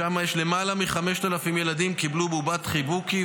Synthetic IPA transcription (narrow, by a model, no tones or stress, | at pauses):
amajeʃle̞malamiχameʃt̪alafimje̞lad̪imkiblububat̪χibuki